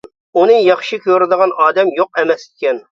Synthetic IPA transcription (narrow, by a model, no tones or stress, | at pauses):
unɨjɑχʃikʲøɾɪd̪əʁɑnʔɑːd̪ɛmjoq̚ɛmɛsikʲɛn